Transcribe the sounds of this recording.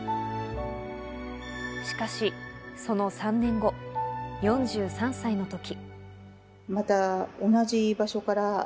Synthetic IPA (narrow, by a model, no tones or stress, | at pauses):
ɕi̥kaɕiso̞no̞sãnːẽ̞ŋɡo̞jõ̞ɲd͡ʑɨːsãɰ̃saino̞t̪o̞kʲi | mat̪ao̞naʑibaɕo̞kaɾa